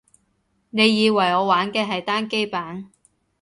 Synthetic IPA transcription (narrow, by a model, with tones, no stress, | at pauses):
ne˨˧jːiː˨˧wɐ˨˩jɔː˨˧waː˨˥nkɛː˧ɦɐ˨jt̪aː˥nke˥jpaː˨˥n